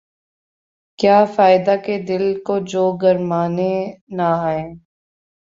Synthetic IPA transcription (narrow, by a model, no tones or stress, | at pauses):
kjaːfaːɪd̪aked̪ɪlkod͡ʒoːɡɐɾmaːnenaɦeː